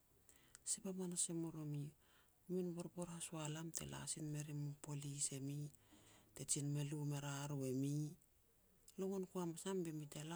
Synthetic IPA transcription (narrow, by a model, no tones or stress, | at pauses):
sipamanasemoɾomi | minboɾpo̞ɾhasualamte̞̰la̰sinme̞ɾimupolise̞mite̞t͡ʃinmelumeɾaɾoemi | loŋonkuamasambemitela